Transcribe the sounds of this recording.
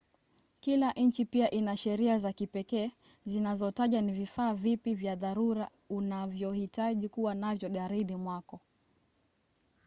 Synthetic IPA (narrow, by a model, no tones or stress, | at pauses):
kilaʔɲ̩t͡ʃipiaʔinaʃɛɾiazakipɛkɛː | zinazɔtaʄwanivifaːvipivjaðaɾuɾa | unavjɔhitaʄikuwanavjɔɠaɾiɗimwakɔ